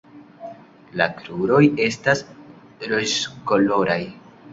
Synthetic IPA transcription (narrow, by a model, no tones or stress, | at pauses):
la̰kɾuɾo̞je̞stas | ɾod͡ʒko̞lo̞ɾaj